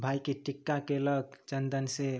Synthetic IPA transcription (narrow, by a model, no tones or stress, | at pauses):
bʱajkeʈikːakeləɡt͡ʃənd̪ənse